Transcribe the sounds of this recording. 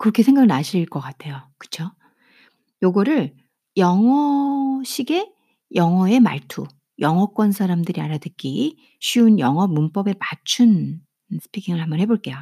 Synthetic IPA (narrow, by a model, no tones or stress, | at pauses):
kɯɾʌkʰe̞sʰe̞ŋɡaɡɯnaɕʰiɾiɭk͈ʌk͈atʰe̞jokɯ̥t͡ɕʰo | joɡʌɾɯɭ | jʌŋʌɕʰiɡe̞ | jʌŋʌe̞ma̰ɭtʰu | jʌŋɦʌk͈wʌnsʰaɾamdɯɾiaɾadɯk͈i | ɕʰiunjʌŋɦʌmunp͈ʌbe̞pat͡ɕʰun | sʰɯ̥pʰikʰiŋɯɭhambʌnɦhe̞boɭk͈e̞jo